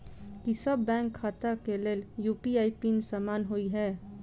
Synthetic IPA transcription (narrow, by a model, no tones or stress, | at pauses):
kisəbːɛ̃ːŋkʰːaːt̪akeleːljuːpiaːipimesaːmaːnɦoiɦɛː